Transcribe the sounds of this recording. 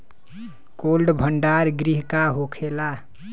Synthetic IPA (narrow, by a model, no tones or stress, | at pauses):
kolɖbʱəɳɖaɾɡɾiɦkaɦokʰela